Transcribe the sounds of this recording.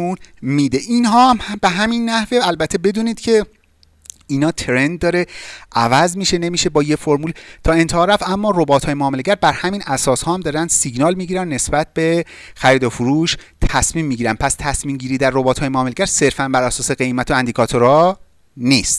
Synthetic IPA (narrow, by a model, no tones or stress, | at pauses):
unmiːd̪e̞ʔinɦɒːmhbeɦæminːæhveælbæt̪ʰːe̞be̞d̪uːniːd̪cʰe̞ | iːnɒːt̪ʰeɾe̞nd̪̚dːɒːɾe̞ʔævæzmiʃe̞ne̞miːʃe̞bɒːjefoɾmuːlt̪ʰɒːe̞nt̪ʰehɒːɾæfæmːɒːrobɒːt̪ʰhɒːjemoːmeleɟæɾbæɾhæminæsɒːshɒːhæmd̪ɒːɾænd̪siɟnɒːlmiɟiːɾænːe̞sbæt̪̚ʰb̥e̞ | xæɾiːd̪ofuɾuːʃ | t̪ʰæsmiːmːiɟiːɾæn̚pʰæst̪ʰæsmiːmɟiːɾiːd̪æɾːobɒːt̪ʰɒːjemoːmeleɟæɾse̞ɾfænbæɾæsɒːse̞ɣe̞jmæt̪ʰoænd̪ikʰɒːt̪ʰoɾɒː | nist̪